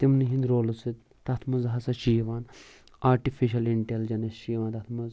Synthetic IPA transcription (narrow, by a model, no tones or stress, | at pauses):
t̪imniɦĩnd̪ɾoːlusit̪ | t̪ɐt̪ʰmɐzɦɐsɐʃijʋaːn | aːɾʈifiʃ̬ɐliɳʈeld͡ʒɐnɐst͡ʃijʋaːnt̪ɐt̪ʰmɐz